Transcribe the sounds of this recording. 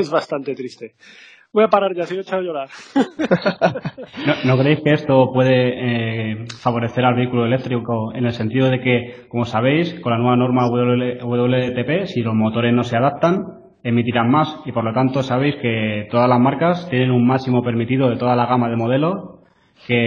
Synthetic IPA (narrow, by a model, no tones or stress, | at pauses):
ezβast̪ant̪e̞t̪ɾist̪e̞ | bojapaɾaɾʝasimeet͡ʃaoʝoɾaɾ | nono̞kɾeejske̞est̪o̞pwe̞ðe̞ | faβo̞ɾe̞θe̞ɾalβe̞ikuloe̞le̞k̚t̪ɾiko̞e̞ne̞lsent̪iðo̞ð̞e̞ke̞ko̞mo̞saβ̞e̞jsko̞nlanwe̞βano̞ɾmaueuβe̞ðo̞β̞let̪e̞pe̞silo̞zmo̞t̪o̞ɾe̞zno̞se̞aðap̚t̪an | e̞mit̪iɾanmasipoɾlo̞t̪ant̪o̞saβ̞e̞jske̞t̪o̞ðazlazmaɾkast̪je̞nẽ̞nummaksimo̞pe̞ɾmit̪iðoðe̞t̪o̞ðalaɣ̞amað̞e̞mo̞ð̞e̞lo̞ | ke̞